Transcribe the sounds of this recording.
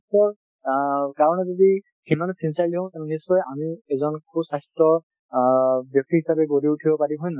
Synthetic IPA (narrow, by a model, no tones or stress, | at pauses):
sɔɹ | kaɹɔnɛzodi | himansinsaliɦɔ̃tɛnnisːɔjamiɛzɔnkʰubsastɔ | bjɔk̚tiɦisabɛɡoɹiutʰibɔpaɹiɦɔjna